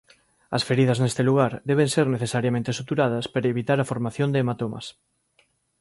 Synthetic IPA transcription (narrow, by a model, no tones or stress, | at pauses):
ɐsfeɾið̞ɐznest̪eluɣ̞aɾd̪ɛβ̞eŋseɾneθesaɾjamẽnt̪esut̪uɾaðɐspeɾɐeβit̪aɾɐfoɾmaθjond̪eːmat̪omɐ̰s